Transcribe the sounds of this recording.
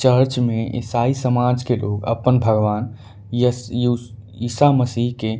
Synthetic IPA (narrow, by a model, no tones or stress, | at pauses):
t͡ʃəɾt͡ʃmẽʔɪ̰saːisəmad͡ʒkelʔokə̰pːənbʱəɡʋaːn | jə | iːsaməsiɦke